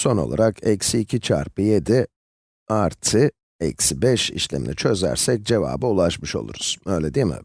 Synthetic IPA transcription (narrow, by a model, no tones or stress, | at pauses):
so̞no̞̰lˠaɾakʰɛcsiːcʰit͡ʃʰa̰ɾpɯjed̪i | aɾt̪ʰɯ | ɛcsibɛʃḭʃlʲɛ̰mḭnʲit͡ʃʰø̞zæ̰ɾsɛc̚d͡ʒe̞va̰ːbɯulˠaʃmɯʃo̞̰lˠṵɾuz̥ø̞jlʲɛd̪imḭ